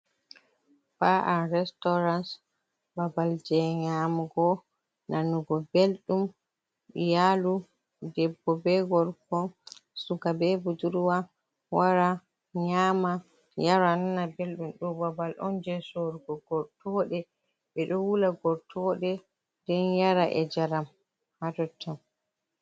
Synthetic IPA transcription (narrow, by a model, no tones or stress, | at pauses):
faʔaɾɛstɔɾans | babald͡ʒɛɲamɡɔ | nʔanːuɡɔbelɗum | jalu | dɛbːɔbɛɡɔɾkɔsuɡabɛbud͡ʒuɾwa | waɾa | ɲama | jaɾannabelɗumɗɔbabalʔɔnd͡ʒɛsoɾɡɔɡɔɾtʰɔɗɛ | bɛɗɔwulaɡɔɾtʰɔɗɛ | d̥ɛnjaɾaʔɛd͡ʒaɾam | hadɔtʰːam